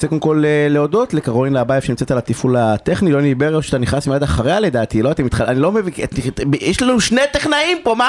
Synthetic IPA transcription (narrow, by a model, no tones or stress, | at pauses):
t͡sekodmko̞lele̞odo̞tlekaʁoinlabajefʃenimt͡set̪alat̪ifulat̪e̞χnilonibeʁeʃeat̪aniχnasmiad̪aχaʁeale̞d̪aːt̪ilo̞at̪emit̪χaanilo̞meviaijɛʃlanuʃnejt̪eχnaimpo̞ma